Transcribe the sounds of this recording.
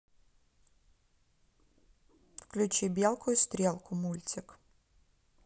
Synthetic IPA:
fklʲʊt͡ʃibʲjalˠkʊjʊst̪ɾʲɛlˠkʊmulʲt͡sʲɪk

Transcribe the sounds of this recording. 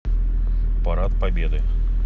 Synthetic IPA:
paɾat̪̚pabʲed̪ɨ

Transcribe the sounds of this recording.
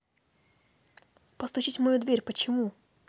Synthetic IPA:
pəst̪ʊɕitʲmɐjud̪vʲeɾʲpət͡ɕɪmu

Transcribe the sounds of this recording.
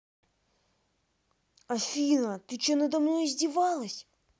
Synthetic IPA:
ɐfʲinɐt̪ɨt͡ʃonəd̪ɐmnojzʲdʲivɑlˠəsʲ

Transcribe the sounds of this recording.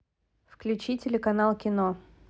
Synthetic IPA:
fklʲʉt͡ɕitʲɪlʲɪkɐnalˠkʲɪno

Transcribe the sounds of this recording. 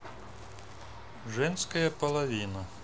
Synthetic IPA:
ʒɪnsʲkɐjɛpɔlˠɐʋʲinɐ

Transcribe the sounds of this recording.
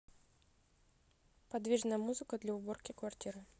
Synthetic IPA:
pad̪vʲiʐnəjəmuzɨkəd̪lʲɐʊborkʲɪkvartʲiɾɨ

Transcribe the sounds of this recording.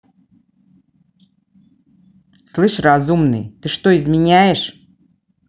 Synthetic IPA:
slˠɨʂrazumnɨ̰jt̪ɨʂt̪oɪzmʲɪnʲæjɪʂ

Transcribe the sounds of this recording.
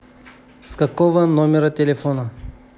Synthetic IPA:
skɐkɔvɐnɔmʲɛɾɐt̪ʲɛlɛfɔnɐ

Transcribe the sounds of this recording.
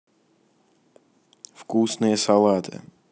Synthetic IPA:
fkusnɛɛsawat̪ʰɛ̰

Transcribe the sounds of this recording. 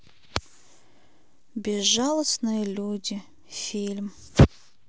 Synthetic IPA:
bʲɪzʐalˠəsnɨjəlʲudʲi | fʲilʲm

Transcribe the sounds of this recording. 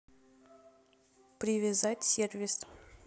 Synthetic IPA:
pɾʲɪvʲɪzatʲsʲervʲɪs

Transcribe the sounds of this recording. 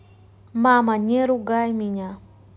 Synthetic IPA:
mamaɲeɾuɡajmiɲa

